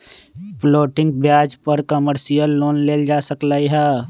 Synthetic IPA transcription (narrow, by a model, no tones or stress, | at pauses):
ploːʈɪ̃ŋɡbjaːd͡ʒpəɾkəməɾsijəlːoːnleːld͡ʒaːsəklaːiɦɛː